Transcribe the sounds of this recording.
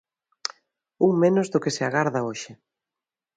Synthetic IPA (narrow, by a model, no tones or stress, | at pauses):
uwmenʊzðʊkɪsɪaɣaɾðɐoʃɪ